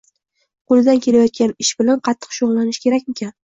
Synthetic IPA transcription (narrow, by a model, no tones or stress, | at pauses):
qʰolˠɪd̪ankʲʰe̞lajɒt̪̚kʲanɪʃbɪlanqʰɑt̪ʰːɨ̥qʃoʁlːanɪʃkʲʰe̞ɾak̚ʲe̞kʲan